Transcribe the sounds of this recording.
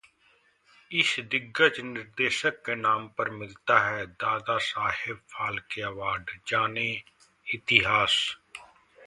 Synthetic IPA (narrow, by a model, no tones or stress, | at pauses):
ɪsd̪ɪɡət͡ʃnɪɾd̪eːʃəkːenaːmpəɾmɪlt̪aɦɛːd̪aːd̪asaːhɪbfʰaːlkeɐʋaːɖd͡ʒaːne | ɪt̪ɪɦaːs